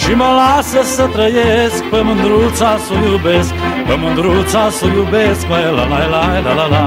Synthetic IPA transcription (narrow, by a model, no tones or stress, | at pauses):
ʃiməlasəsət̪ɾəjesk̚pəmənd̪ɾut̪sasojubeskpəmɨnd̪ɾusasojubesk̚məjla̰lajlajlalala